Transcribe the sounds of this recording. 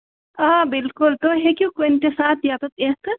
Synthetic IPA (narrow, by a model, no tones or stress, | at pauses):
aːbɪlkʊlt̪oɦekʲjũkenʈesaːt̪ʰjat̪oeːk